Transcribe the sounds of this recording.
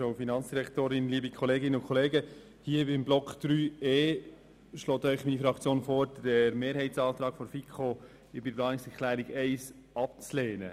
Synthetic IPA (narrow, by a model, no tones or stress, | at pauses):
owfinɑnt͡ssd̥iɾɛktoːɾɪnliːbikʰɔleːɡɪnəʊkʰχɔleːɡə | hiːəvimblɔkχd̪̥ɾyːeː | ʃlɔːt̪œʏχmiːnifɾɑkt͡sjoːnfoːɾdɛɾmeːɾɦɛɪtsɑːt̪ɾɑːkfɔɾfikʰoː | ɪbɪblɑːnɪŋsɛɾkʰlæːɾɪɡɛɪs | ɑp̚t͡sleːnə